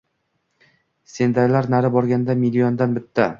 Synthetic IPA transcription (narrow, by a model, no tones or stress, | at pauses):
se̞nd̪aɾlaɾnaɾɪbɒɾɡʲand̪amilːijond̪anbɪt̪ʰːa